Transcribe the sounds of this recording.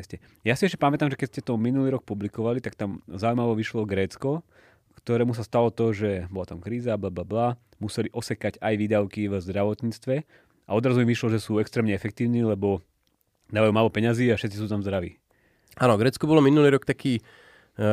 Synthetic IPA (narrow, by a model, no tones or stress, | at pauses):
scɛ | jasiɛʃcɛpamɛt̪aːmʒɛkɛt̪scɛt̪ɔminuliːɾɔk̚publikɔʋalit̪akt̪amzaujmaʋɔʋiʃlɔɡɾɛːt͡skɔ | kt̪ɔɾɛːmus̬ast̪alɔt̪ɔʒɛbɔlat̪amkɾiːzablablabla | musɛliʔɔsɛkaɟajʋiːd̪aʊkivzd̪ɾaʋɔt̪ɲiːt͡st̪ʋɛ | aɔd̪ɾazuimʋiʃlɔʒɛsuːɛkst̪ɾɛːmɲɛɛfɛk̚t̪iːʊniːlɛbɔ | d̪aːʋajuːmaːlɔpɛɲaziːafʃɛt̪t͡sis̬uːt̪amzd̪ɾaʋḭː | aːnɔɡɾɛːt͡skɔbɔlɔminuliːɾɔkt̪akiː